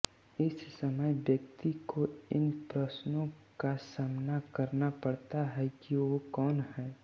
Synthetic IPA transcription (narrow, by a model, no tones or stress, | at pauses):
ɪssəməjʋjəkt̪ikoɪnpɾəʃnõkasaːmnakɐɾnapɐɽt̪aɦɛkiʋokɔːnɦɛː